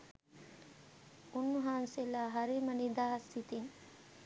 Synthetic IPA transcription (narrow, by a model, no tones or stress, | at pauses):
unːuɦaːnselaːɦaɾimənid̪aːɦsit̪iŋ